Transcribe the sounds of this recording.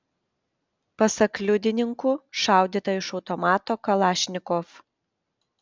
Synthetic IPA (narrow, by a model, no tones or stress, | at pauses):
pɐsɐklʲʊd̪ʲɪnʲɪŋkʊʃɑˑʊd̪ʲiːt̪ɐɪʃɒʊt̪ɔmɑːt̪oːkɐlˠɑːʃʲnʲɪkof